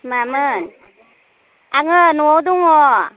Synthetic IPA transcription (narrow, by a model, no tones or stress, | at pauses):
mamɯn | aŋɯnuɔwd̪uŋɔ